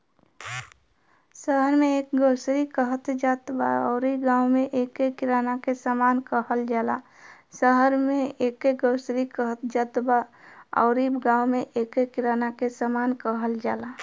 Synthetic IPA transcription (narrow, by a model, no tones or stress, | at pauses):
səɦəɾmẽeːkɡəːsɾikəɦət̪d͡ʒat̪baəʊɾiɡãːwmẽʔekekɪɾanakesamaːnkəɦəld͡ʒaːla | səɦəɾmẽekeɡəʊsɾikəɦət̪d͡ʒat̪baə̰ʊɾibɡãːwmẽʔekekɪɾaːnakesamaːnkəɦəld͡ʒaːla